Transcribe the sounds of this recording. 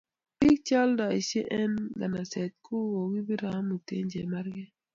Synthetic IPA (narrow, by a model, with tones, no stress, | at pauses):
pi˦k̚t͡ʃa˦lda˨i˨se˦ʔɛ˦nɡa˨na˨sɛ˨t̪̚kʰo˦wo˨ɡi˦bi˦ɾa˨˦mu˨tḛ˦ɲd͡ʒɛ˨ma˦ɾɡɛ˦